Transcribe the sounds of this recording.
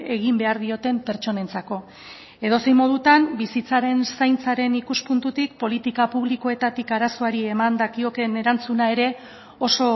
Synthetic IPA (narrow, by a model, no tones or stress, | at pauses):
e̞ɣimbe̞aɾðio̞t̪e̞mpe̞ɾt͡ʃo̞ne̞nt͡sako̞ | e̞ðo̞se̞jmo̞ð̞ut̪ambisit͡saɾe̞nsajnt͡saɾe̞nikuspunt̪ut̪ik̚po̞lit̪ikapuβliko̞e̞t̪at̪ikaɾaso̞aɾie̞mand̪akio̞ke̞ne̞ɾant͡sunae̞ɾe̞ | o̞so̞